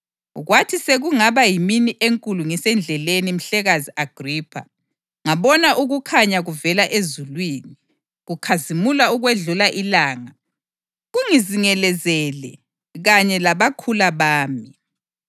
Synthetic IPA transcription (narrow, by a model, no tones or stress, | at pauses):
ɣwatʰiseɣuŋaβajiminiʔeŋkʼuluŋisɛnd͡ɮʱɛlenim̩ɬɛɣaziaɡ̥ʱriːpʰa̰ | ŋaβɔnaʔuɣukʰaɲaɣuvɛlaʔezulwiːni | ɣukʰazimulauɣweɮulaʔilaːŋa | ɣuŋiziŋɛlɛzɛlɛ̰ | ɣaɲɛlaβakʰulaβaːmi